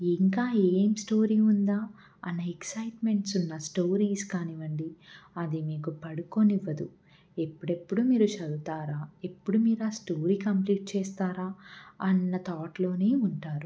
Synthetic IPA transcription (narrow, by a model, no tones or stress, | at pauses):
iŋkaːeːmsʈo̞ːɾiːund̪aː | ɐnːɐeksɐjʈme̞ɳʈsunːɐsʈoːɾiːskaːniʋɐɳɖiɐd̪imiːkupɐɽukoniʋːɐd̪u | e̞pːuɽe̞pːuɽumiːɾut͡ʃɐd̪ut̪aːɾaːepːuɽumiːɾaːsʈoːɾiːkɐmpliːʈ̚t͡ʃɛːst̪aːɾaːɐnːɐt̪aːʈlo̞ːneːuɳʈaːɾu